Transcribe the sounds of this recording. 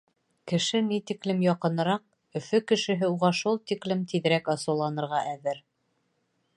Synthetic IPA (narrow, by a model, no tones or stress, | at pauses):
kɘ̆ʃɘnit̪iklɘmjɑqɤ̆nɤ̆ɾɑq̚ | ɵ̆fɵkɘ̆ʃɘ̆ɦɘuʁɑʃulˠt̪iklɘmt̪iðɘ̆ɾækɑsɤ̆wlˠɑnɤ̆ɾʁɑʔæðɘɾ